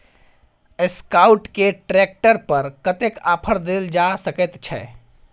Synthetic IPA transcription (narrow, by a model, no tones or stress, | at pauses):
eskauʈkeʈɾek̚ʈəɾpəɾkət̪ekapʰəɾd̪eld͡ʒasəkɛt̪t͡ʃʰɛ̰